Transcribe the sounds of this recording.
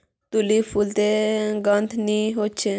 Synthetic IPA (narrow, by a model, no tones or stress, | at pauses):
t̪ulipʰult̪eɡənd̪nĩɦot͡ʃʰe